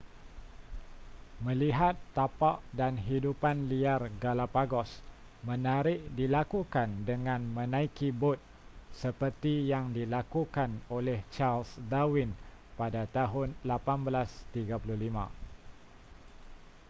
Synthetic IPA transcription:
mə̃liɦat̪ːapaʔdanɦidupanliarɡalapaɡɔs | mə̃naɾɪʔdilakukandəŋãnmə̃nãikibʊt̪̚ | səpərt̪ijaŋdilakukanolɛht͡ʃalsdawin | padat̪aɦʊnlapanbəlast̪iɡapuluhlimã̰

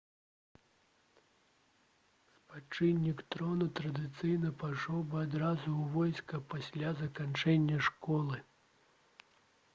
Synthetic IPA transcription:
spat͡ʂɨnʲːikt̪ɾɔnut̪ɾɐd̪ɨt̪sɨjnɐpajʂɔwbɨad̪ɾazuwvɔjskɐpasʲlʲazɐkant͡ʂɛnʲːɐʂkɔlˠɨ

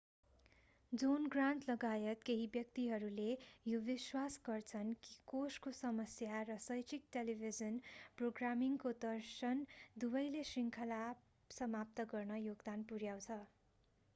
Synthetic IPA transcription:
d͡zonɡraɳʈlʌɡajʌt̪keɦibjʌk̚t̪iɦʌɾulejobiswasɡʌrt͡sʰʌnki̥koskosʌmʌsjarʌsʌjt͡sik̚ʈelibʱid͡zʌnproɡramiŋkod̪ʌrsʌnd̪ubʌjlesiŋkʰʌla | sʌmap̚t̪ʌɡʌrnʌjoɡd̪anpuɾjaw̃t͡sʰʌ

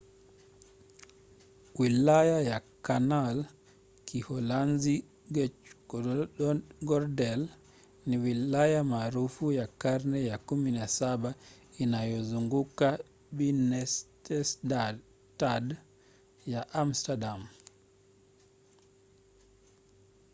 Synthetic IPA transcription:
wilajajakanal | kihɔlanzi | ɡɛt͡ʃ | ɡɔɾdɛl | niwilajamaɾufujakaɾnɛjakuminasabainajɔzuŋɡuka | binɛstɛsd | tad | jaʔamstadam

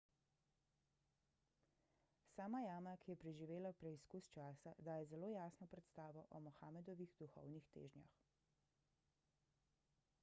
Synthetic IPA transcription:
saːmajaːmakijɛpɾɛʒiʋeːlapɾɛiskust͡ʃaːsad̪aːjɛzɛloːjaːsnɔpɾɛt̪st̪aːʋɔʔɔmɔxaːmɛd̪ɔʋiɣd̪uxɔ̰wnixt̪ḛːʒnja̰x

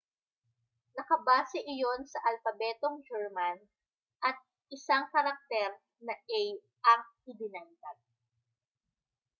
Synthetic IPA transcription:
nɐkɐbaːsɛʔɪjo̞nsɐʔɐlfɐbɛːt̪o̞ŋd͡ʒɛɹman | ʔɐt̪̚ | ɪsaŋkɐɾɐk̚t̪ɛɾ | nɐʔɛj | ʔɐŋɪd̪ɪnant̪ad̚

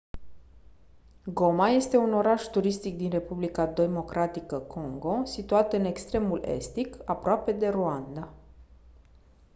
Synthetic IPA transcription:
ɡo̞maje̞st̪e̞uno̞ɾaʃt̪uɾist̪ik̚d̪inre̞publikad̪e̞mo̞kɾat̪ikəkʰo̞ŋɡo̞sit̪uat̪ɨne̞kst̪ɾe̞mule̞̰st̪ikapɾoape̞d̪e̞ɾuand̪a

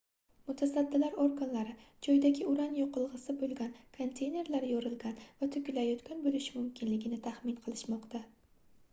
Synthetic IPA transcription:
mʊt̪ʰasad̪ːɪlaɾoɾɡanlaɾɪ | d͡ʒɒjd̪aɡʲɪʊɾanjoqʰɨlˠʁɨsɪbolˠɡʲankʰo̞nt̪ʰe̞jne̞ɾlaɾjoɾɪlɡʲanvat̪ʰʊkʲlajɒt̪kʲʰanbolɪʃɪmʊmkʲʰɪnlɪɡʲɪnɪt̪ʰaχmɪnqʰɨlˠɪʃmɒqt̪ʰa

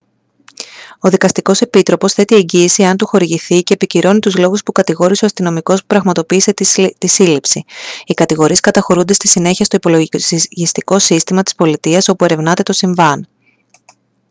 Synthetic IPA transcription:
o̞ðikɐst̪iko̞se̞pit̪ɾo̞po̞sθe̞t̪ie̞ɲɟiːsie̞ɐnt̪uxo̞ɾiʝiθice̞ːpiciɾo̞nit̪uzlo̞ɣuspukɐt̪iɣo̞ɾiseo̞ɐst̪ino̞miko̞spu̥pɾɐɣmɐt̪o̞piːse̞t̪isilipsiikɐt̪iɣo̞ɾie̞skɐt̪ɐxo̞ɾund̪e̞st̪isine̞çiɐst̪oipo̞loʝist̪iko̞sist̪imɐt̪i̥spo̞lit̪iɐso̞pue̞ɾe̞vnɐt̪e̞t̪o̞siɱvɐn

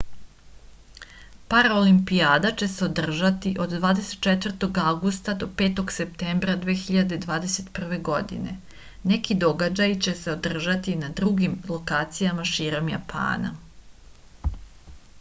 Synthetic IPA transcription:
paɾolimpiaːd̪at͡ɕe̞se̞o̞d̪r̩ʒat̪iʔo̞d̪d̪ʋaːd̪ese̞t̪̚t͡ʃet̪ʋr̩t̪o̞ɡawɡust̪ad̪o̞pe̞ːt̪o̞ɡse̞pt̪embɾad̪ʋeːxiʎad̪e̞d̪ʋaːd̪e̞se̞t̪pr̩ʋe̞ɡo̞d̪ḭne̞̰ | nekid̪o̞ɡad͡ʑajt͡ɕe̞se̞o̞d̪r̩ʒat̪inad̪ɾuɡimlˠo̞kaːt̪sijamaʃiːɾo̞mja̰pʰa̰ːna̰

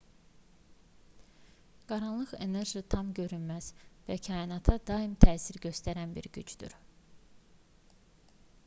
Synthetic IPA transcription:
ɡ̥ɑɾɑnlˠɯɣe̞ne̞ɾʒit̪ʰɑmɟø̞ɾynmæz̥væcʰɑinɑt̪ʰɑd̪ɑimt̪ʰæːsiɾɟø̞st̪æɾænbḭɾɟyd͡ʒd̪y̰ɾ

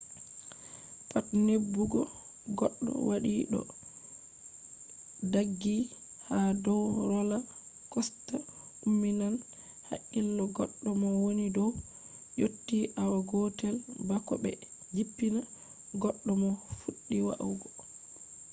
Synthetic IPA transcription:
patnebːuɡɔ | ɡɔɗːɔ̰waɗiɗɔ̰ | daɡːi | hadɔwɾɔla | kɔsta | umːinan | ha̰ʔilːɔɡɔɗːɔmɔwonidɔw | jotːiʔawaɡɔtɛlbakɔbɛ̰d͡ʒipːina | ɡɔɗːɔmɔfuɗːiwa̰ʔwɡɔ

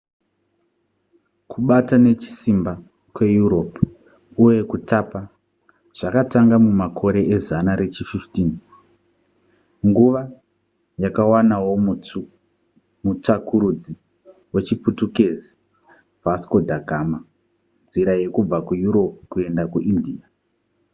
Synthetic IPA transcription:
kʰuɓatane̞t͡ʃi̥simba | kwe̞juɾo̞pu | uje̞kutapa | ʐ̥akataŋɡamumakʰo̞ɾe̞ʔezanaɾe̞t͡ʃififtiːn | ŋɡuʋa | jakawanawo̞mu | mut͡ʂakuɾud͡zi | we̞t͡ʃiputuke̞zi | vasko̞dʱaɡʱama | nd͡ziɾaje̞kub͡vakujuɾo̞pukue̞ndakuʔindia

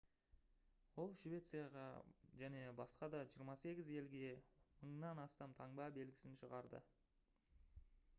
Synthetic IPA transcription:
wo̞lˠʃive̞t̪sɨjɑʁɑ̰ʒæne̞bɑsqɑd̪ɑʒijəɾmɑse̞ɡʲɪze̞lɡʲe̞məɴnɑnɑst̪ɑmt̪ʰɑɴbɑbe̞lɡʲɪsɪnʃəʁɑɾd̪ə̰

